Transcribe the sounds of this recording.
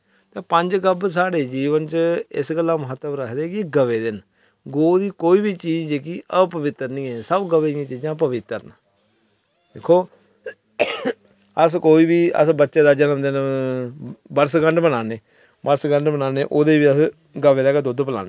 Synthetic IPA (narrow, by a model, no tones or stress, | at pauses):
t̪eːpəɲd͡ʒɡəbs̬aːɽeːd͡ʒiːʋənt͡ʃɪ̰sɡəlːãːməɦət̪ːəbɾəkʰd̪eːkɪɡəʋeːd̪ɪn | ɡoːd̪iːkoːiːbiːt͡ʃiːd͡ʒɛːkɪʔəpəʋɪt̪ːəɾnĩːɛːsəbɡəʋeːjãːt͡ʃiːd͡ʒãːp̬əʋɪt̪ːəɾn | d̪eːkʰːoː | əskoːiːbiːə̰sbətːʃeːd̪aːd͡ʒənəmd̪ɪn | bəɾsɡəɳɖbənaːneː | bəɾsɡəɳɖbənaːneːʔoːd̪eːbiːəs | ɡəʋeːd̪aːked̪od̪pəla̰ːneː